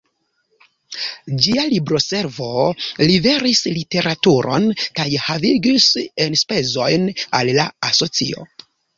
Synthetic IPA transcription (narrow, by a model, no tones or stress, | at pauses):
d͡ʒialibɾo̞se̞ɾvo̞libe̞ɾislite̞ɾatuɾo̞̰nkajhaviɡise̞nspe̞zo̞jnalːaaso̞t͡sḭo̞̰